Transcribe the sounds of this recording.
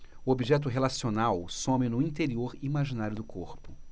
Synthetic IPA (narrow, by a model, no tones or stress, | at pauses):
uobiʒɛt̪̬ʊɦelasionawsõmɪnʊĩnt̪eɾioɾimaʒinaɾjʊd̪ʊkʰoɾpʊ̥